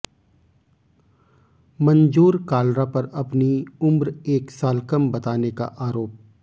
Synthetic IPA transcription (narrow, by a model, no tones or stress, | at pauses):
mɐ̃nd͡ʒuːɾkaːlɾapɐɾɐpniʊmbɾeːksaːlkɐmbɐt̪aːneka̰ʔaːɾoːp̚